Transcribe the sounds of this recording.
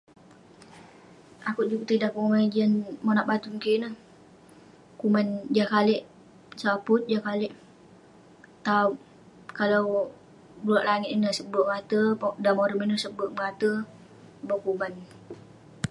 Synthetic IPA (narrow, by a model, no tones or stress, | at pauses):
ʔakud͡ʒukt̪idaʔumad͡ʒiənmonaʔbat̪umukinəh | kumand͡ʒakalɪʔ | sapʊt̪̚d͡ʒakalɪʔ | t̪au | kalaw | bulaʔlaŋɪt̪inəhsəboʔŋat̪ədamoɾəminəsəbəʔmŋat̪ə | bokuban